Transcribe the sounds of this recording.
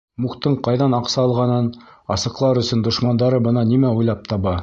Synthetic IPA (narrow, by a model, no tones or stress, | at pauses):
muχt̪ɤɴqɑjðɑnɑqsɑːlˠʁɑnɤnɑ̰sɤ̆qlˠɑɾɵ̆sɵnd̪ŏʃmɑnd̪ɑɾɤbɤ̆nɑnimæujlˠɑp̚t̪ɑβɑ